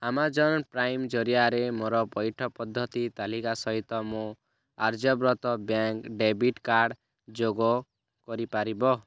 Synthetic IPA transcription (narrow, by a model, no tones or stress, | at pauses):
amad͡ʒɔnpɾajmd͡ʒɔɾijaɾemoɾɔpɔjʈʰɔpɔd̪ʱːɔt̪it̪alikasɔɦit̪ɔmũ | aɾd͡ʒɔbɾɔt̪ɔbjaŋkɖebiʈkaɾɽ | d͡ʒoɡɔ | kɔɾipaɾibɔ